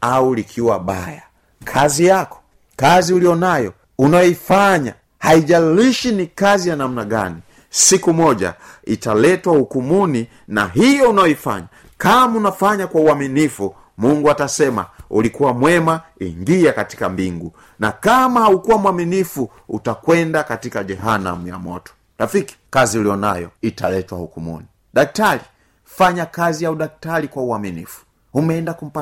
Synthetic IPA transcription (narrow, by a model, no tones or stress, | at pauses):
aulikʰiwaɓa̰ja | kʰazijakɔ̥ | kaziulijɔnajɔ̰ | unajɔifaɲa̰ | haiʄaliʃinikazijanam̩naɡa̰ni | sikumɔʄa̰italɛtwaukumuni | na̰ɦijɔunajɔifa̰ɲa | kamunafaɲakwauaminifu | muŋɡuatasɛma̰ulikuwamwɛmaiŋɡiakati̥kambiŋɡu | nakamahaukuwamwaminifu | utakwɛndakatikaʄɛɦana̰muja̰mɔ̰tɔ̥ | ɾafiki̥kaziuliɔna̰jɔ̰italɛtwahukumṵni | ɗak̚tali | faɲakazijauɗak̚talikwauaminifu̥ | umɛɛndakum̩pa